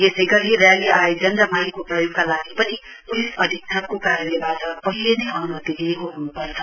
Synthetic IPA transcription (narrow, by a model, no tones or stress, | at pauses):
jesʌjɡʌɾieɾjaliʔajed͡zʌnd̪amajkoprʌjoɡ̚kalaɡipʌni | pulisʌd̪ʱik̚sʰʌn̚kokaɾəebaʈʌpʌɦilenipʰawnɦʌt̪iɾeɦoɦunupʌɾt͡sʰʌ̥